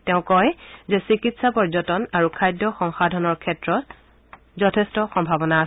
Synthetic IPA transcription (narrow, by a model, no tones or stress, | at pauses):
tɛʊ̃kɔjzɛsikitsapɔɹzɔtɔnaɹukʰajdɔxɔŋxadʱɔnɔɹkʰɛtɹɔt̚ | zɔtʰɛstɔxɔmbʱabɔnaːs